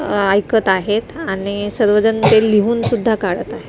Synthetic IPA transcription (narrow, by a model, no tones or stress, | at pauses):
ajkət̪aɦet̪aɽisəɾʋəd͡zənt̪eliɦuːnsud̪ʱːakaɽət̪aɦet̪